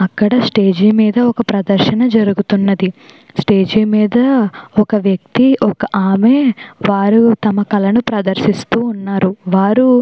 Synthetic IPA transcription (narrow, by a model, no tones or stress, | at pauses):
ɐkːɐɽɐsʈe̞ːd͡ʒiːmiːd̪ɐɔkɐpɾɐd̪ɐɾʃɐnɐd͡ʒɐɾuɡut̪unːɐd̪i | sʈe̞ːd͡ʒiːmiːd̪ɐɔkɐʋjɐk̚t̪iʔɔkɐʔaːmeːʋaːɾut̪ɐmɐkɐlɐnupɾɐd̪ɐɾʃist̪uːnːaːɾuʋaːɾu